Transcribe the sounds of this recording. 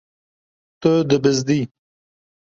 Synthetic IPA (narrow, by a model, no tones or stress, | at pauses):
t̪əd̪əbɪzd̪i